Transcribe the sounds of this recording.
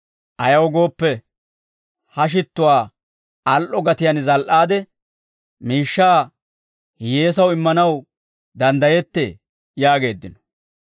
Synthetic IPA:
ʔɐjɐwɡo̞ːpːɛ | hɐʃ̬ɪt̪ːʊwaː | ɐlʔɔɡɐt̪ɪjɐnzɐlʔaːd̪ɛ | miːʃːaː | je̞ːs̬ɐwɪmːɐnɐw | d̪ɐnd̪ɐjɛt̪ːḛː | jaːɡe̞ːd̪ːɪnɔ̥

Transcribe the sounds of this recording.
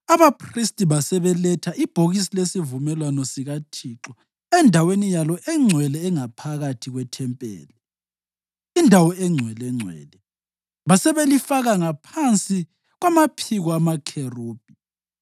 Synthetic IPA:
aβapʰristʼiβasɛβɛlɛtʰaʔib̥ʱoɣisilesivumɛlwanɔsiɣatʰiǁɔ | ɛndʱawenijalɔʔɛŋ͡ǀʱwɛlɛːŋapʰaɣatʰiɣwɛtʰɛmpʼɛ̰ːlɛ | indʱawɔɛŋ͡ǀʱwɛlɛŋ͡ǀʱwɛ̰ːlɛ | βasɛβelifaɣaŋapʰant͡sʼi | ɣwamapʰiɣɔamakʰeroːb̥ʱi

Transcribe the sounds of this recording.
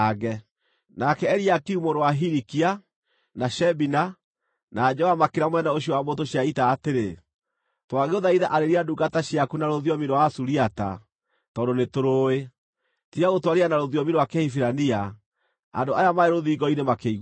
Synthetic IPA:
ɣɡɛ | nakɛɛɾiakiumoɾwaɦiɾikia | naʃɛbina | naːd͡ʒɔamakeɾamwɛnaoɕiɔwamotoɕiaitaːteɾe | twaɣeoðaiðaʔaɾeɾiaduɡataɕiakunaɾoðjɔmiɾwasuɾiata̰ | tɔːndonetoɾoe | tiɾaɣotwaɾeanaɾoðjɔmiɾwakahifiɾania | a̰ndoajamaeɾoðiɡɔinemakeiɣ

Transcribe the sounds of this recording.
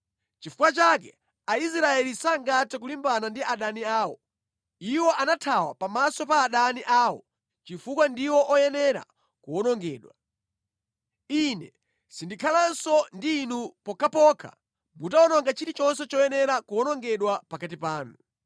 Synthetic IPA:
t͡ʃifukwat͡ʃakɛ | ais̬ɾaɛlisaŋɡatɛk̬ulimbanandiaɗaniaːwɔ̰ | iwɔʔanatʰawa̰pamasɔpaːɗaniʔaːwɔ̰ | t͡ʃifukwandiwɔʔɔjɛnɛɾa̰ | kuɔnɔŋɡɛːɗwa | inɛ | sindikʰalansɔndiːnupɔkʰapɔkʰa̰ | mbutaɔnɔŋɡat͡ʃitit͡ʃɔnsɛt͡ʃɔjɛnɛɾakuɔnɔŋɡɛɗwapakat̬ipaːnu

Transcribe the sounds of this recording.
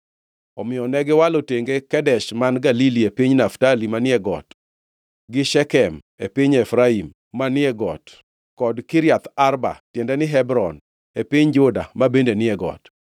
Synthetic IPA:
ɔmɪjɔnɛɡɪwaloteŋɡekɛdɛʃmanɡaliliepiɲnaftalimanɪɛɡɔ̰t | ɡɪʃɛkɛm | epiɲɛfɾaimː | anɪɛɡɔt | kɔdkɪɾjat̪arba̰tjɛndɛnɪɦɛbɾɔn | epiɲd͡ʒʊda̰mabendenɪɛɡɔ̰t

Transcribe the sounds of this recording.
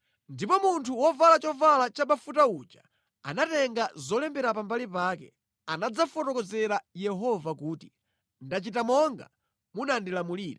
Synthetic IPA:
ndipɔmuntʰuwɔvalat͡ʃɔvalat͡ʃaɓafutaud͡ʒa̰ | a̰natɛŋɡazɔlɛmbɛɾapambalipaːkɛ | anad͡zafɔtɔkɔzɛɾajɛɦɔvakuːti | ndat͡ʃitamɔŋɡa | munandilamuliːɾɛ

